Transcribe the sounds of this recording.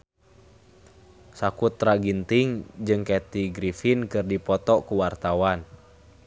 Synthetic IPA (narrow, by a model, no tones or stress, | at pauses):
sakut̪ːɾaɡint̪iŋd͡ʒɨŋkɛt̪iɡɾifinkɨrdipɔt̪ɔkuwart̪awan